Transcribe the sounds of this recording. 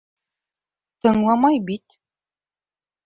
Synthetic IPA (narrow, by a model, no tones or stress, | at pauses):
t̪ɤ̆ɴlˠɑmɑjbit̪